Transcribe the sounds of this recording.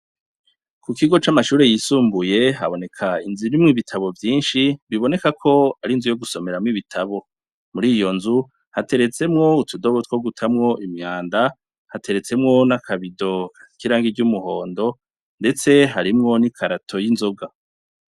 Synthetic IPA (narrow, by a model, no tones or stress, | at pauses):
kukiɡo̞t͡ʃamaʃuːɾe̞jisuːmbuje̞ɦaβo̞ne̞kʰainzinimŋiβitʰaβo̞vjiːnʃiβiβo̞ne̞kakʰo̞aɾinzujo̞ɡuso̞me̞ɾamŋiβitʰaβo̞ | muɾiːjo̞nzu | hate̞ɾe̞t͡se̞mŋo̞utʰudoβotwoɡutʰamŋo̞ʔimɲaːnda | hatʰe̞ɾe̞t͡se̞mŋo̞nakʰaβido̞kʰḁkiɾaːŋɡiɟumuɦo̞ːndo̞ | nde̞t͡se̞ɦaɾimŋo̞nikʰaɾatʰo̞jinzo̞ɡa